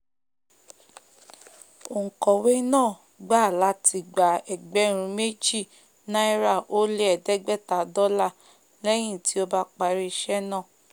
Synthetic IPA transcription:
o˨ŋ̩˨kɔ˨we˦nãː˦˨ | ɡ͡ba˦˨la˨˦tʰi˨ɡ͡ba˨ɛ˨ɡ͡bɛ˨˦ɾ̃ũ˧me˦d͡ʒi˦˨ | nã˦i˦ɾa˦˨o˦le˦ɛ˨dɛ˦ɡ͡bɛ˦ta˨dɔ˦la˦˨ | lɛ˦j̃ĩ˦˨ti˨˦o˦ba˦k͡pa˧ɾi˧ʃɛ˦nã˦˨

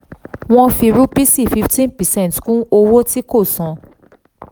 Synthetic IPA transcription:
w̃ɔ̃˧fi˧ɾu˦pi˦si˦˨fi˦ftĩ˦npɛ˨sɛ̃˦n˨tkũ˦o˧wo˦ti˦ko˦˨sɔ̃˨˦

